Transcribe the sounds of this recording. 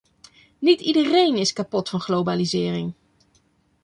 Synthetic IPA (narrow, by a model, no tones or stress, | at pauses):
nitidərejnɪskapɔtfɑnχlowbalizɪːrɪŋ